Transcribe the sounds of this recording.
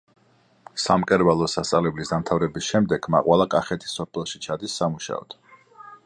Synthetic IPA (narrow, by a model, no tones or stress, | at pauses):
samkʼɛɾbalˠɔsast̪sʼavlɛblisd̪amt̪ʰavɾɛbisʃɛmd̪ɛɡ̥ma̰qʼwalˠakʼaχɛt̪ʰi̥sɔpʰɛlˠʃi̥t͡ʃʰad̪isːamuʃa̰ɔ̰d̪̥